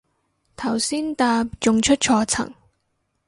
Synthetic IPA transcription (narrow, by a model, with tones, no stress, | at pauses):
t̪ʰɐ˨˩wsiː˥nt̪aː˧pt͡ʃʊ˨ŋt͡ʃʰɵ˥t̚t͡ʃʰɔː˧t͡sʰɐ̰˨˩ŋ